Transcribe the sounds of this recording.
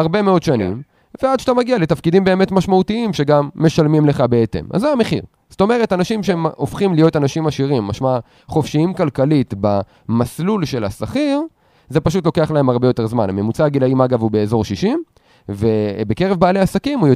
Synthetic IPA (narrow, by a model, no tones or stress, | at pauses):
aʁbe̞meo̞d̪ʃanḭm | vead̪ʃḁtamaɡiale̞t̪afkid̪imbe̞ːme̞tmaʃmaut̪iimʃe̞ɡamːe̞ʃalmimle̞χabeet̪ḛma̰zːeameχḭʁ | z̥to̞me̞ʁe̞tanaʃimʃemofχimlijo̞t̪anaʃimaʃiʁimːaʃma | χo̞fʃiimkalkalit̪ba | maslulʃe̞la̰saχiʁ | ze̞paʃut̪lo̞ke̞aχlae̞maʁbejo̞t̪e̞ʁzmaname̞mut͡saːɡilaimaɡavube̞ːzo̞ʁʃiʃim | ve̞beke̞ʁevbaːleasakimujo